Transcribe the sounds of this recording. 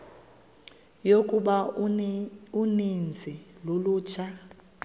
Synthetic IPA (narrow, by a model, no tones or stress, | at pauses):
jokʼuɓa | unind͡zʱɛloluːt͡ʃʰa